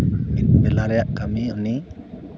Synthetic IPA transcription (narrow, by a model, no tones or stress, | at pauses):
mit̪̚bɛlaɾɛjaʔkamiuni